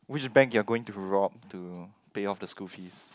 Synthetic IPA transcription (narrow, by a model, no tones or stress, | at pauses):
wɪt͡ʃbɛ̃ŋkjuaɡoɪ̃ŋtuɹɔp̚tu | peɔfdəskufis